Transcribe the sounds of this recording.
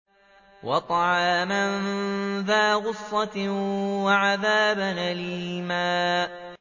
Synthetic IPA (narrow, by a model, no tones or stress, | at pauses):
wɑt̪ˤɑʕɑːmanðaːɣʊsˤːɑ | waʕaðaːbanalihɪmaː